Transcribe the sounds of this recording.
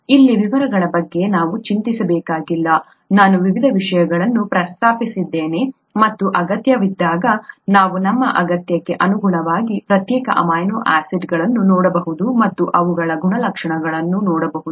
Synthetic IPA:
ilːiʋiʋɐɾɐɡɐɭɐbɐɡːe̞naːʋut͡ʃint̪isɐbɛːkaːɡilːɐ | naːnuʋiʋid̪ʱɐʋiʂɐjɐɡɐɭɐnːupɾɐst̪aːpisid̪ːeːne̞ | mɐt̪ːuʔɐɡɐt̪jɐʋid̪ːaːɡɐnaːʋunɐmːɐ̰ʔɐɡɐt̪jɐkːe̞ʔɐnuɡuɳɐʋaːɡipɾɐt̪jɛːkɐ̰ʔɐ̰maːjnoːʔaːsiɖɡɐɭɐnːunɔːɽɐbɐɦud̪umɐt̪ːuʔɐʋuɡɐɭɐɡuɳɐlɐkʂɐɳɐɡɐɭɐnːunɔːɽɐbɐɦud̪u

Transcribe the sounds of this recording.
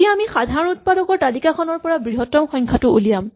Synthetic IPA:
iaamixadʱaɹɔnut̚padɔkɔɹtalikakʰɔnɔɹpɔɹabɹiɦɔtɔmxɔŋkʰatʊulijam

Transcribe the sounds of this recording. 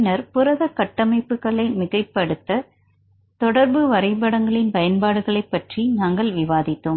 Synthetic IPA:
nɐɾpʊɾɐðɐkɐʈːɐmɐɪpːɯɣɐɭɐɪmɪɣɐɪpːɐɽɯt̪ːɐ | t̪ɔɽɐɾbɯʋɐɾɐɪbɐɽɐŋɡɐɭɪnpɐjɐnpaːɽɯɣɐɭɐɪpːɐʈrinaːŋɡɐɭʋɪʋaːðɪt̪ːɯm

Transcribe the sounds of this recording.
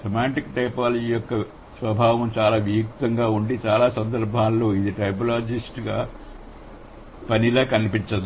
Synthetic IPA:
sɐmaːɳʈikːʈɐjpaːlɐd͡ʒiijɔkːɐ | sʋɐbʱaːʋɐmt͡ʃaːlaːʋijukt̪ɐŋɡaːuɳɖit͡ʃaːlaːsɐnd̪ɐɾbʱaːlːoːid̪iʈɐjp̬ɐlaːd͡ʒisʈɡaː | pɐnilɐːkɐnipiɲt͡ʃɐd̪

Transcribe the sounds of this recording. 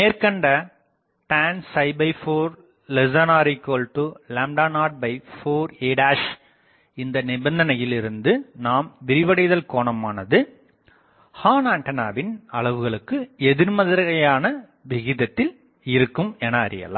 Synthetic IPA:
neːrkɐɳɖɐ | ʈaːnsɐɪbɐɪfoːɾ | lɛzɐnaːɾɪkːoːlʈɯlɐːmɖaːnaːɾɖ̚bɐɪfoːɾeːɖaːʂ | ɪnd̪ɐnɪbɐnd̪ɐnɐjɪlɪɾɯnd̪ɯnaːmʋɪɾɪʋɐɽɐɪðɐlkoːɳɐmaːnɐðɯ | haːnaːɳʈɐnaːbɪnɐɭɐʋɯɣɐɭɯkːɯɛðɪɾmɐðɐɾɣɐjaːnɐ | ʋɪɣɪðɐt̪ːɪl | ɪɾɯkːɯmɛnɐ̰ːɾɪ̰jɐ̰la̰ː

